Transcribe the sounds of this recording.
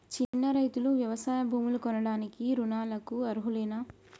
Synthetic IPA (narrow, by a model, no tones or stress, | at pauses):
t͡ʃinːɐɾɐjt̪uluʋjɐʋɐsaːjɐbʱuːmulukɔnɐɽaːnikiɾunaːlɐkuɐɾuɦuleːnɐ